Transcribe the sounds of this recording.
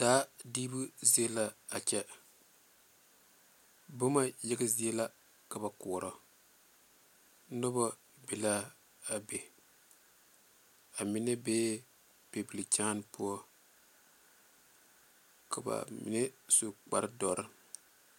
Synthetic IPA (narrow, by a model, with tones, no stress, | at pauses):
daː˦diː˦bu˦zi˦ɛ˦la˦a˨t͡ʃɛ˦ | bʊ˦ma˦jɪ˦ɡɪ˦zɪ˦ɛ˦la˦ | ka˨ba˨kʊː˨ɾɔ˨˦ | nɔ˦bɔ˦ | bɪ˨la˦ | a˨be˨ | a˨mi˨nɛ˦beː˦ | pe˨bi˨li˨t͡ʃaː˦n˦pu˦ɔ˦ | ka˨ba̰˨mḭ˨nɛ˦su˨k͡pa̰˨ɾɨ˦dɔ˨ɾɨ˦